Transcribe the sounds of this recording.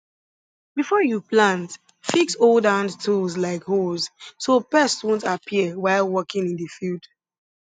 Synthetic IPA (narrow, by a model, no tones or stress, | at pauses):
bifɔjuplãnt | fiksoldãndtʰulzlaɪkhoz̥sopɛstwũntapʰiəwaɪlˠwɔkɪ̃ŋĩnðəfild̥